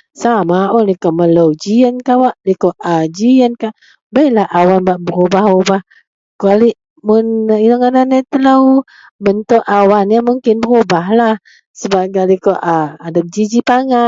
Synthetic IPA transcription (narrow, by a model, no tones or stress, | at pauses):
samaolikɔmələwd͡ʒiənkawaʔlikɔʔad͡ʒiənkaʔ | bajlahawanbaʔbəɾobahobah | kaliʔ | mʊnilaŋadanɛʔt̪ələw | bənt̪ʊʔawanjamuŋkɪnbəɾobaɦlah | səbaɡalikɔʔaadap̚d͡ʒid͡ʒipaŋa